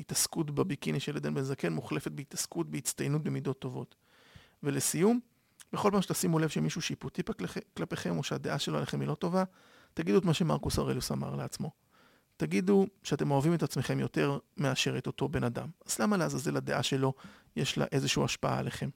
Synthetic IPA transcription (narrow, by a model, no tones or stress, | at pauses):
itaskutbebikiniʃeledenbenzake̞nmuχlefe̞t̪̚beit̪askut̚beit͡st̪ajnut̚be̞mid̪o̞t̪ːo̞vo̞t | ve̞lesijum | be̞χo̞lpaːmʃet̪asimule̞vʃemiʃuʃiiputipklape̞χe̞mo̞ʃead̪e̞ʔaʃeloa̰leχe̞milo̞to̞va | t̪aɡid̪uet̪maʃe̞maʁkusaʁelusa̰ma̰ʁleat͡smo̞ | t̪aɡid̪uʃeate̞mo̞avime̞t̪at͡sme̞χe̞mjo̞te̞ʁmeaʃe̞ʁet̪o̞to̞be̞nada̰mazlamalehazaze̞lad̪eʔaʃe̞lo̞jeʃla̰ʔe̞zeʃuuaʃpaa̰ːleχe̞m